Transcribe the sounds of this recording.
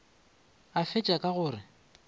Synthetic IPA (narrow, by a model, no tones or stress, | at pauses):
afɪt͡ʃʼakʼaɣʊːrɪ